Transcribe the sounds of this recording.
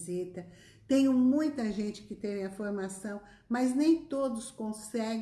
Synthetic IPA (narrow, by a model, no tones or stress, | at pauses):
zit̪ɐ | t̪ẽj̃ʊmũj̃t̪ɐʒẽnt͡ʃɪ̥kɪt̪ẽvẽɐfoɾmasɐ̃w̃ | mɐznẽj̃t̪od̪ʊskõsɛɡ